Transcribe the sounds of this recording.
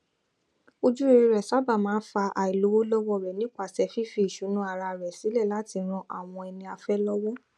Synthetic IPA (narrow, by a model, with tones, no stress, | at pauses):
o˧d͡ʒu˦e˧ɾi˧ɾɛ˨sa˨˦ba˦˨mãː˨˦n̩˦fa˧ʔa˨i˨lo˨˦wo˦lɔ˦wɔ˦˨ɾɛ˨nĩ˦k͡pa˨sɛ˧˦fi˦fi˧i˨ʃu˨˦nũ˦a˦˧˨ɾa˧ɾɛ˨si˨˦lɛ˦˨la˨˦ti˧ɾ̃ɔ̃˧ʔa˦˨w̃ɔ̃˧ɛ˧nĩ˧a˧fɛ˦lɔ˦wɔ˦